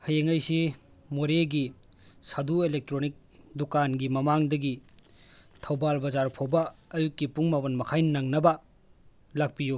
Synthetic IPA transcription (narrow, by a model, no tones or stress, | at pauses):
hɐjeŋɐjsi | moɾeɡi | saduelek̚tɾonik̚dukanɡimɐmaŋdɐɡi | tʰɐwbalbɐzaɾpʰobɐɐjukːipuŋmabɐnmɐkʰajnaŋnɐbɐ | lak̚piju